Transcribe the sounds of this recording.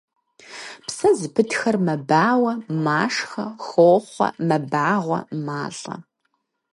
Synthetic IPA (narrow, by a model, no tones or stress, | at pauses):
psɐzɨpʰɨtxɐrmɐbaːwɐmaːʂxɐxoːχʷɐ̰mɐbaːʁʷɐ̰maːɬʼɐ̰